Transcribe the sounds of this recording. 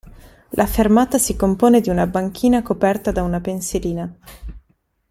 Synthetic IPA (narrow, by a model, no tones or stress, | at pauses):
lʔafermaːt̪asikompoːned̪iunabaŋkʰiːnakopɛrt̪ad̪aunapenseɾiːna